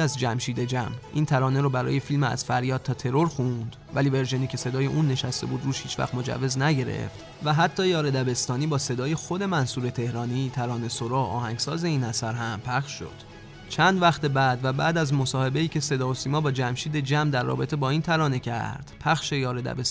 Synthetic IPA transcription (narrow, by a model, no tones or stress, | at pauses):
æzd͡ʒæmʃiːd̪ed͡ʒæmʔḭːnt̪ʰæɾɒːneɾobæɾɒ̰ːje̞filmæ̰z̥fæɾjɒːd̪̚t̪ʰɒːt̪ʰe̞ɾo̞ɾxund̪̥ | vælive̞ɾʒeniːcʲʰe̞se̞d̪ɒːje̞ʔuːnːe̞ʃæst̪e̞buːd̪ɾuːʃhiːt͡ʃʰvæ̰χt̪mo̞d͡ʒæ̰vːe̞znæɟe̞ɾe̞̰ft̪ | væɦæt̪ʰːɒːjɒːɾed̪æbe̞st̪ɒːniːbɒːse̞d̪ɒːje̞xo̞d̪e̞mænsuːɾe̞t̪ʰe̞hɾɒːnit̪ʰæɾɒːne̞soɾɒːʔɒ̰ːhæŋɡsɒːze̞iːnæsæɾɦæmpʰæχʃːo̰d̪̥ | t͡ʃʰænd̪væxt̪e̞bæːd̪væbæːd̪æzmo̞sɒːhe̞be̞iːcʰe̞se̞d̪ɒːosiːmɒːbɒːd͡ʒæmʃiːd̪e̞d͡ʒæmd̪æɾːɒ̰ːbe̞t̪ʰe̞bɒːiːnt̪ʰæɾɒːne̞cʰæ̰ɾd̪̥pʰæxʃe̞jɒːɾe̞d̪æ̰bes